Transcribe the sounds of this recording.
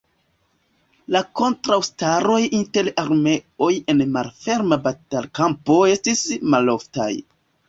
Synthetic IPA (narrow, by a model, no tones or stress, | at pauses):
lako̞ntɾawstaɾo̞jinte̞ɾaɾme̞o̞je̞nmalfe̞ɾmabatalkampo̞e̞stismalo̞fta̰j